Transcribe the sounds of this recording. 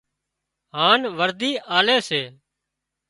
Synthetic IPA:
ɦaːnʋəɾd̪iːʔaːleːseː

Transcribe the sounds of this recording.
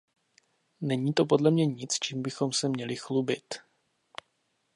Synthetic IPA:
nɛɲiːt̪o̞p̬o̞dlɛmɲɛɲɪt͡st͡ʃimbɪxo̞msɛmɲɛlɪxlubɪt̪

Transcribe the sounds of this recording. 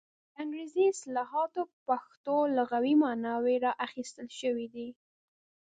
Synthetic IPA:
aŋɡɾeziɪslɑɦɑt̪opaxt̪olaɣawimɑnɑweɾɑʔaxist̪əlʃəwid̪i

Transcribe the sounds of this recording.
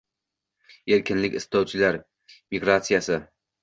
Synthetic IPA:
eɾkʲɪnlɪkʲɪst̪ɒwt͡ʃʰɪlaɾ | miɡɾat̪sijasɪ

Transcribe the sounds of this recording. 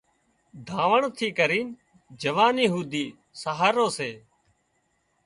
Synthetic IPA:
d̪ʱaːʋəɳt̪ʰiːkəɾiːn | d͡ʒəʋaːnjiɦuːd̪iː | saɦaːɾoːseː

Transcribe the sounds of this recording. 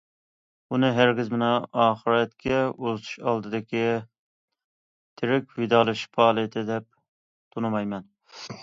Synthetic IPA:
unɨɦæɾɡʲɪzmɨnɑɑːχɨɾɛt̪kʲʰɛot̪ʰu̥ʃɑlˠd̪ɨd̪ɪkʲʰi | t̪ʰɪɾɪkʲvɪd̪ɑːlˠɨʃpʰɑːlˠɨt̪ʰɪd̪ɛp̚ | t̪ʰonɨmɑjmɛn

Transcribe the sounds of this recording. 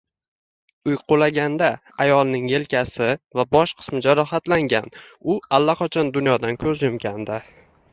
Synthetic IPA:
ʊjqʰʊlaɡʲand̪a | ajɒlˠnɪŋje̞lkʲʰasɪvabɒʃqʰɨ̥smɪd͡ʒaɾɒɦat̪laŋɡʲanʊalːaqʰɒt͡ʃʰɒnd̪ʊnjɒd̪ankʲʰɵzjʊmɡʲand̪a

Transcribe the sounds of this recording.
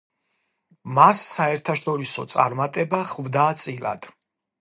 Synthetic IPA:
masːaɛɾt̪ʰaʃɔɾisɔt̪sʼa̰ɾmat̪ʼɛbaχvd̪aːt̪sʼila̰d̪̥

